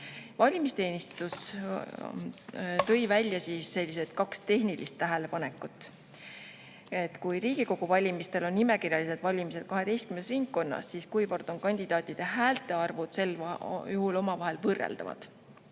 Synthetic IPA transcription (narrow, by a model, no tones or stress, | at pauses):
vɑlʲimist̪e̞ːnist̪us | t̪ɤ̞jvælʲjɑsiːsːe̞lʲːiset̪̚kɑkst̪e̞hnilʔḭst̪ːæɦele̞pɑne̞kːˑut̪ːˑ | et̪ːkujɾiːɡ̥iko̞ɡ̥uvɑlʲimist̪e̞lo̞nːime̞kirjɑlise̞d̪̥vɑlʲimise̞d̪̥̚kɑɦe̞t̪e̞jst̪kymnesriŋkːo̞nːɑ̰sːiːskujpo̞rd̪̥o̞nkɑnʲd̪̥id̪̥ɑːt̪ʲːˑid̪̥e̞ɦæːlt̪ˑe̞ɑrvud̪̥se̞ljuhulo̞mɑvɑɦe̞lvɤrːḛld̪̥ɑ̰vɑ̰d̪̥